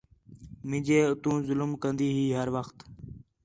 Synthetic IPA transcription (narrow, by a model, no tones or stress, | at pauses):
mɪ̃ːd͡ʒeːʊt̪ũːzʊlmkənd̪iːɦiːɦəɾʋəxt̪